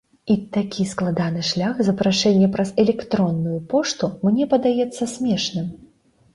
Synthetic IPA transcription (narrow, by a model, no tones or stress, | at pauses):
it̪akʲʰisklˠad̪anɨʂlʲaxzɐpɾaʂɛnʲːɛpɾɐzɛlʲɛkt̪ɾɔnːujupɔʂt̪umnʲɛpɐd̪ajɛt̪sːɐsʲmʲɛʂnɨm